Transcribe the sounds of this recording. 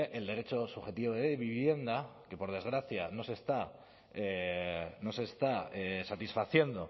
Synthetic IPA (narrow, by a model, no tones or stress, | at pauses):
eʔe̞ld̪e̞ɾe̞t͡ʃo̞suxe̞t̪iβoðeβiβje̞nd̪ake̞po̞ɾð̞e̞zɣɾaθjano̞se̞st̪a | e | no̞se̞st̪aesat̪isfaθje̞nd̪o̞